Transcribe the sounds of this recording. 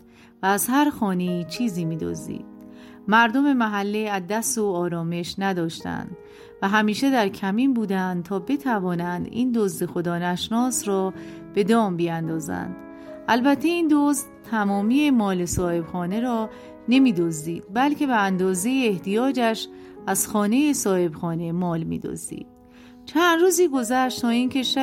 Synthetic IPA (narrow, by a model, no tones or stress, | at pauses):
væːzɦæɾxɒːne̞iːt͡ʃʰiːziːmiːd̪o̰zd̪ḭːd̪̥ | mæɾd̪o̞me̞mæɦælːiæd̪ːæsoɒːɾɒːme̞ʃnæd̪ɒːʃt̪æ̰nd̪ | væɦæmiːʃe̞d̪æɾcʰæmiːmbuːd̪ænd̪t̪ʰɒːbe̞t̪ʰævɒːnænd̪ḭːnd̪ozd̪e̞xo̞d̪ɒːnæʃnɒːsɾɒːb̥e̞d̪ɒːmbijænd̪ɒːzæ̰nd̪̥ | ʔælbæt̪ʰːe̞iːnd̪ozd̪t̪ʰæmɒːmiːemɒːle̞sɒːhe̞b̥xɒːne̞ɾɒː | ne̞miːd̪ozd̪iːd̪̥̚bælkcʰe̞beænd̪ɒːze̞jeːht̪ijɒːd͡ʒæʃ | æz̥xɒːne̞jesɒːhe̞bxɒːne̞mɒːlmḭːd̪o̰zd̪ḭːd̪̥̚ | t͡ʃʰænd̪ruːziːɡo̞zæʃt̪t̪ʰɒːiːncʰe̞ʃæ